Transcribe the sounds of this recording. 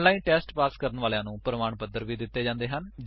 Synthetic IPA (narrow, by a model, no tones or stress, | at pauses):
laːinʈɛːsʈpaːskəɾənʋaːlejãːnũːpɾəmaːɳpəd̪ːəɾʋiːd̪ɪt̪ːeːd͡ʒãːnd̪eːɦənd͡ʒ